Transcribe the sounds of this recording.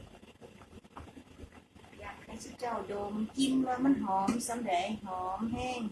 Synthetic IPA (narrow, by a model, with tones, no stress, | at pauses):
jaː˨˩kʰːa˧˩sʰi˧˥˩t͡ɕa˧˩wdoː˨˩m˨ki˧˥˨mwaː˧ma˧˥˨nɦɔː˨˩˦msa˨˦mda˨˩˦jɦɔː˨˦mhɛː˧˥˩ŋ